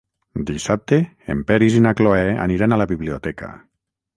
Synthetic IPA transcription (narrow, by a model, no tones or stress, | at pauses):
d̪isap̚t̪e | ḛmpɛɾizinakloɛa̰niɾanalaβiβliot̪ɛka̰